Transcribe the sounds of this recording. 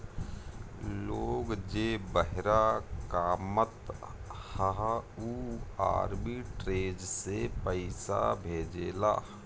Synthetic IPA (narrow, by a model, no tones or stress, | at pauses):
loːɡd͡ʒeːbəɦɾakaːmət̪haɦua̰ːɾbiʈɾeːd͡ʒsepəɪsa̰bʱeːd͡ʒeːla̰ː